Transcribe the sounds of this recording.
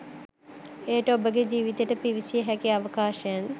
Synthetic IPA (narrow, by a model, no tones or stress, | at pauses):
eːʈəobəɡed͡ʒiːʋit̪eʈəpiʋisijəɦɛkiaʋəkaːʃəjan